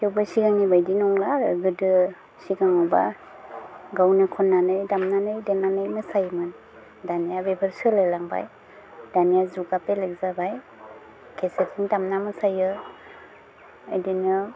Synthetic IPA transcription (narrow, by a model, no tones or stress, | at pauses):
kewbasiɡaŋnibajdinɔŋlaɾɯɡɯdɯ | siɡaŋawba̰ | ɡawnɯkʰɔnːanɯjdamnanɯjdenanɯjmɯsajmɯn | danijabebʰəɾsɯlajlaŋba̰j | danijazuɡapelek̚zabaj | kʰesetʰiŋdamnamɯsajɯ | ajdinɯ